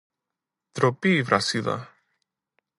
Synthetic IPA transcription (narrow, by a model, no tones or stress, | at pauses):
t̪ɾopiːvɾʔasiðɐ̰